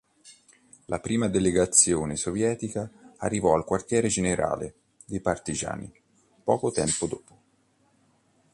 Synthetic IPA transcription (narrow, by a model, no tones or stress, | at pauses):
lʔapɾiːmad̪eleɡat̪sːjoːnesovjɛːt̪ikaːrːivɔalkwart̪jɛːɾed͡ʒeneɾa̰ːle | d̪ejpart̪id͡ʒa̰ːnḭ | pɔːkot̪ɛmpod̪oːpo